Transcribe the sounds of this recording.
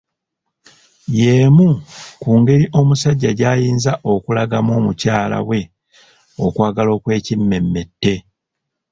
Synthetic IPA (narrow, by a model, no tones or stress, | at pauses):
je̞ːmukuːŋɡe̞ɾiʔo̞musaɟːaɟaːjiːnzaʔo̞kulaɡamo̞ːmucaːla̰we̞ | o̞kwaːɡalo̞ːkwe̞ːcimːe̞mːe̞tːe̞